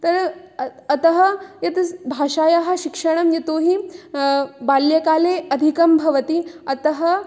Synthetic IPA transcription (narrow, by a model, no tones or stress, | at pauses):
t̪ɐɾ | ɐt̪ɐɦɐjɐt̪bʱaːʃaːjaɦɐ̆ʃikʂɐɳ̃ɐmjɐt̪oːɦi | baːljɐkaːleːɐd̪ʱikɐmbʱɐʋɐt̪iɐt̪ɐɦɐ